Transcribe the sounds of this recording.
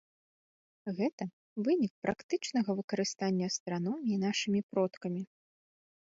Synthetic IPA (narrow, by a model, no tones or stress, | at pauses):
ɣɛt̪ɐ | vɨnʲik̚pɾakt̪ɨt͡ʂnɐɣɐvɨkɐɾɨst̪anʲːɐɐst̪ɾanɔmʲiːnaʂɨmʲipɾɔt̪kɐmʲi